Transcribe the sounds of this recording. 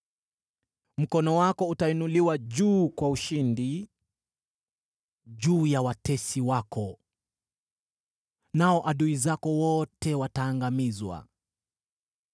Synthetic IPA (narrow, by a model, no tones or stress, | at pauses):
m̩kɔnɔwakɔutainuliwaʄuːkwauʃindi | ʄuːjawatɛsiwakɔ | naɔʔaɗuizakɔwɔtɛwataːŋɡamizwa̰